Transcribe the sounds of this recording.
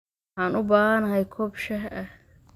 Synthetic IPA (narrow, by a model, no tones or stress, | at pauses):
ħaːnʊbaːɦɐnɐɦɐjkʰɔːbʃɐɦʔɐh